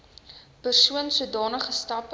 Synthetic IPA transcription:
pərsuənsuədɑːnəχəstɐp

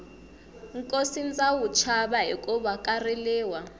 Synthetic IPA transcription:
ŋkʼosint͡sʼawut͡ʃʰaɓaɦikʼɔɓakʼarɛlɛːwa

